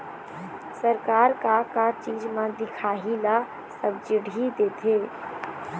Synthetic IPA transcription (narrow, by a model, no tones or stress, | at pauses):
səɾkaːɾkakat͡ʃiːd͡ʒmãd̪ɪkʰaːɦila | səb̚d͡ʒɪɽid̪eːt̪ʰeː